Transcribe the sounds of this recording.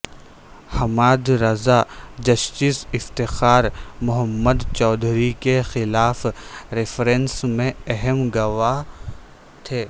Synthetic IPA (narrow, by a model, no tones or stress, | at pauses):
hɐmaːd̪ɾɐzad͡ʒɐʃt̪isɪft̪ɪxaːɾmʊɦəmːəd̪t͡ʃɔːd̪ʱɾikexɪlaːfɾɪfɾẽnsmẽɛɦəmɡɐʋa | t̪ʰeː